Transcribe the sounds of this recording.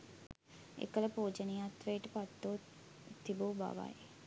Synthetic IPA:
ḛkələpoːd͡ʒənijat̪ːʋejʈəpat̪ːo | t̪ʰːibuba̰ʋa̰je

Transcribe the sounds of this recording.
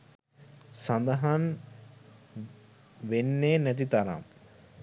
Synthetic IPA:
sand̪ɐɦan | ʋenːeːnæt̪̬it̪aɾa̰m

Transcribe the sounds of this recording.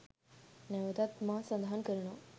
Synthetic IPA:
nɛʋət̪at̪masə̃nd̪ʱɦankəɾno

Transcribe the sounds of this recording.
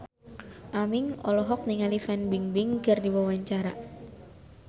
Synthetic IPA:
ʔamɪŋɔlɔɦɔk̚niŋalifɛnbiŋbɪŋkɨrdiwawaɲt͡ʃaɾa

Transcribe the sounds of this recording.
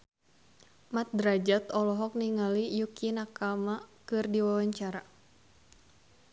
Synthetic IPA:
mat̪̚dɾad͡ʒat̪ɔlɔɦɔk̚niŋalijukinakamakɨrdiwawaɲt͡ʃaɾa

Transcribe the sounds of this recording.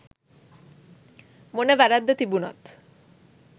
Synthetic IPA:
monebɛɾad̪ːet̪ibunɔ̰t̪

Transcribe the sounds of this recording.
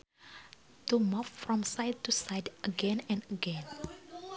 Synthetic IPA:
tumuffɹɔ̃msaɪd̚tusaɪdəɡɛ̃nɛ̃nəɡɛ̃n

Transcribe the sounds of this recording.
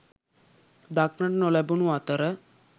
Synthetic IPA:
d̪aknəʈnolabunuat̪əɾə

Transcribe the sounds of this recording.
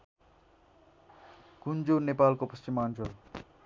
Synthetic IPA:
kund͡zonepalkopʌst͡ʃimant͡sʰʌ

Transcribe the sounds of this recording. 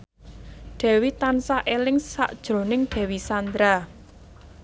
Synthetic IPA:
ɖ̥ɛ̤wit̪ansaʔelɪŋsa̰ʔd̥ʒ̥ɾo̤nɪŋɖ̪̥ɛ̤wisand̪ɾa

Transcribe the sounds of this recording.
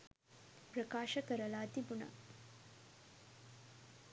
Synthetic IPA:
pɾɐkaːʃɐkɐɾɐlaːt̪ibunɐ̰

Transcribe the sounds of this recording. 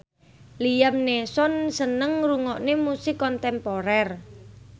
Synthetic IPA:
lijamnesɔnsənəŋruŋɔʔnemusɪkːɔnt̪ɛmpoɾɛr

